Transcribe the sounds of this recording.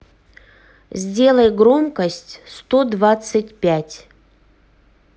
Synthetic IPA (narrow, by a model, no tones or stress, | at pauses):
zʲdʲe̞lˠəjɡɾo̞mkəsʲtʲst̪od̪vat̪sɨtʲpʲætʲ